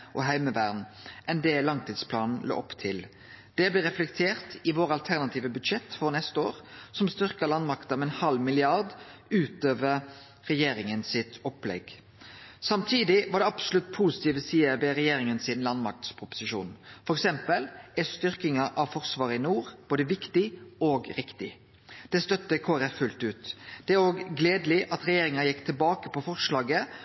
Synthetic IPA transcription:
ʔɔɦæɪməʋæʁnʔɛnd̪ɛlɑŋt̪ʰiːd̪spʰlɑːnn̩lo̰ːʔɔpːt̪ʰɪl | d̪̥ɛblɛːʁɛflɛkt̪ʰeːʁt̪ɪʋoːɾɑlt̪ʰæʁnɑt̪ʰiːʋəbʉd̪ʃɛt̪ːfɔnɛst̪əo̰ːɾsɔmst̪ʏʁkəlɑnmɑkt̪əɔmɛnhɑlmɪlɪɑʁd̪ʉːt̪øːʋəʁ | ʁɛjeːɾɪŋənsɪt̪ɔplɛ̰ɡ | sɑmt̪ʰiːd̪ɪʋɑːɾɖ̪ɛɑbsʊlʉt̪̚ːpʰuːsɪ̥t̪iːʋəsiːəʋɛɾɛjeːɾɪŋənsɪnlɑnmɑk̚t̪spʰɾʊpʊ̥sɪʃṵːnfɔɾɛksɛmpəlæst̪ʏʁkɪŋɑʔɑʋfɔʁsʋɑːɾəɪnuːʁb̥oːd̪əʋɪkt̪ɪoːɡɾɪkt̪ɪ̰ | d̪̥ɛst̪œt̪ːəkʰoːæɾɛffʉlt̪ʉːt̪d̪̥ɛæɾoːɡɡleːd̪lɪʔɑt̪ɾɛjeːɾɪŋɑnjɪkːt̪ʰɪlbɑːkəpʰɔfɔʁʂlɑːɡə

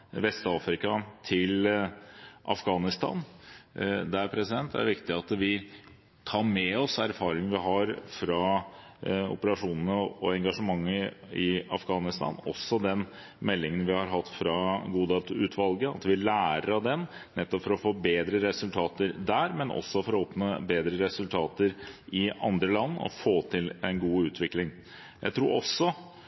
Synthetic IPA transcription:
ʋɛst̪ɑːfɾɪkɑt̪ʰɪl | ʔɑ̰fɡɑːnɪst̪ɑ̰n | d̪ɛæɾpʰɾɛsɪd̪ɛnt̪̚d̪æ̰ɾʋɪkt̪ɪɑt̪ʋɪ | t̪ʰɑːɾmɛɔsæɾfɑːɾɪŋʋɪɦɑɾfɾɑ | ɔ̰pəɾɑʂuːnənəɔɛŋɡɑʂəmɑŋːəɪɑ̰fɡɑːnɪst̪ɑ̰ːnɔ̰sːɔd̪ɛn | mɛlːɪŋənʋɪhɑɾɦɑt̪ːfɾɑɡuːd̪eːlt̪ʰʉːt̪ʋɑlɡəɑ̰t̪ʋɪlæːɾəɾɑd̪ɛnːɛt̪ːɔpfɔɾɔfoːbeːd̪ɾəɾɛsʉlt̪ʰɑːt̪əɾd̪æːɾmɛnɔ̰sːɔfɔɾɔɔpnəbeːd̪ɾəɾɛsʉlt̪ʰɑːt̪əɾʔɪɑ̰nd̪ɾəlɑnːɔ̰foːt̪ʰɪlɛnɡuːʉːt̪ʰʋɪklɪŋ | jæ̰ɪt̪ʰɾuːɾɔsːɔ

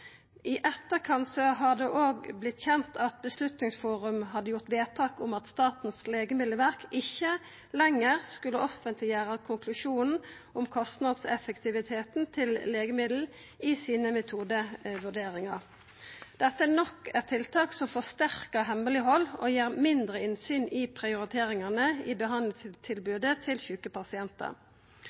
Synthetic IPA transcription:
ɪʔɛt̪ːəkʰɑnsɔɦɑd̪ɛʔoːɡblɪt̪ːçɛnt̪ʰɑt̪̚bəslʉt̪nɪŋsfuːʁʉmɦɑd̪ːəjʊʁt̪ʋeːt̪ʰɑːkʊmɑt̪st̪ɑːt̪n̩sleːɡəmɪd̪ləʋæʁkʰɪçːə | lɛŋːəʁskʉlːəʔɔfənt̪lɪjæːʁəkʰʊŋkʰlʉʂuːnn̩ | ʊmkʰɔst̪nɑd̪sɛfəkt̪ʰɪʋɪt̪ʰeːt̪n̩t̪ʰɪlleːɡəmɪd̪l̩ | isiːnəmɛt̪ʰuːd̪əʋʉɖeːɾɪŋɑʁ | d̪̥ɛt̪ːəænɔkːɛt̪ʰɪlt̪ʰɑːksɔmfɔst̪æʁkəʁɦɛmːəlɪɦɔlːoːjeːʁmɪnd̪ʁəɪnsyːnɪpʰʁɪʊɾɪt̪ʰeːʁɪŋɑnəiːbəɦɑnd̪lɪst̪ʰɪlbʉːd̪ət̪ʰɪlçʉkəpʰɑsɪɛnt̪ə̰ʁ

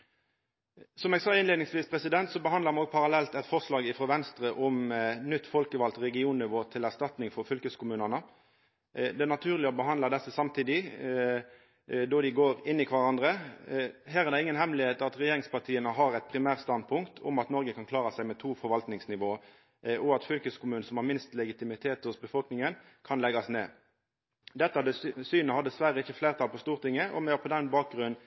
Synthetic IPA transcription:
sɔmɛːɡsɑːɪnleːd̪nɪŋsʋiːspʰɾɛsɪd̪ɛnt̪sɔbəhɑnd̪əʁmɑnoːɡ̚pʰɑɾɑlɛlt̪ɛt̪fɔʁʂlɑːɡɪfɾɔʋɛnst̪ɾəʔɔmnʏt̪ːfɔlkəʋɑlt̪ɾɛɡɪuːnnɪʋoːt̪ʰɪlæʁʂt̪ɑt̪nɪŋfɔɾfʏlkəskʰʊmʉːnənə | d̪ɛænɑt̪ʰʉːʁlɪɔbəɦɑnd̪əd̪ɛsːəsɑmt̪ʰiːd̪ɪ | d̪ɔd̪ɪɡoːɾɪnːɪkʰʋɑɾɑnd̪ɾə | ɦæːʁæʁd̪ɛɪŋːənɦɛmlɪheːt̪ɑt̪ʁɛjeːɾɪŋspɑʁt̪ʰiːənəɦɑʁæɪt̪̚pʰʁɪmæːʁst̪ɑnd̪̚pʰʊŋkt̪ʰʊ̰mɑt̪nɔɾɡəkʰɑnkʰlɑːɾɑsæɪmɛt̪ʰuːfɔɾʋɑlt̪nɪŋsnɪʋoː | ʔɔɑt̪fʏlkəskʊmʉːnəsɔmhɑɾmɪnst̪lɛɡɪt̪ɪmɪt̪ʰeːt̪hʊsbəfɔlknɪŋən | kʰɑnlɛɡɑsneː | d̪ɛt̪ːəɑd̪əsyːnəhɑd̪əsʋæɾəɪçəfleːʁt̪ʰɑlpɔst̪uːʁt̪ɪŋːəʔɔ̰mɛɑpʰɔd̪ɛnbɑːk̚ɡʁʉnn

